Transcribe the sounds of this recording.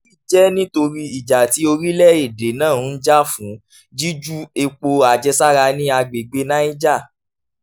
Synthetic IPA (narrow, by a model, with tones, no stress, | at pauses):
i˦˨d͡ʒɛ˦nĩ˦to˧ɾi˦i˨d͡ʒa˨ti˨˦o˧ɾi˦lɛ˦i˨de˨nãː˦˨˦n̩˦d͡ʒa˦fũ˨˦ | d͡ʒi˦d͡ʒu˦e˧k͡po˧a˨d͡ʒɛ˧sa˦ɾa˧nĩ˦a˧ɡ͡be˨ɡ͡be˧˦nã˦i˦d͡ʒa˦˨